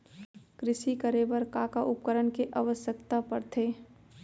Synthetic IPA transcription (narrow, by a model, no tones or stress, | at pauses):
kɾɪʃikəɾebəɾkakaʔʊp̚kəɾənkeʔaʋəsjəkt̪apəɾt̪ʰeː